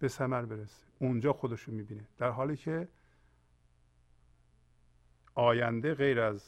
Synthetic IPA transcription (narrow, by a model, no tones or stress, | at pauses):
b̥e̞sæmæɾbe̞ɾese̥und͡ʒɒːxod̪eʃomiːbiːned̪̥æɾɦɒːliːcʰe | ʔɒːjænd̪eɣejɾæz